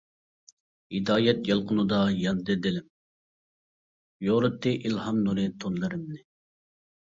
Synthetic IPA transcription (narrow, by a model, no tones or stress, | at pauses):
id̪ɑːjɛt̪jɑlˠqʰʊnud̪ɑjɑnd̪ɨd̪ɪlɪm | joɾɨt̪ːɨʔilhɑmnuɾɪt̪ʰonlˠɨɾɪmnɪ